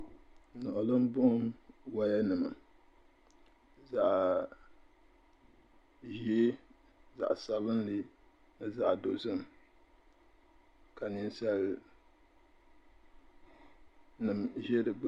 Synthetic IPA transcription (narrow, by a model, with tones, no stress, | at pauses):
nɔ˨ʔʊ˨lɨ˦m˦bʊ˦nwa˦ja˦nɨ˨ma˨ | za˨ʔ | ʒi˦e˦ | za̰˨ʔsa˨lɨ˦nli˦ | za˦ʔdo˨zɨ˦˨m | ka˨ni˦nsa˦l | nɨ˨mʒɛ˦dɨ˨˦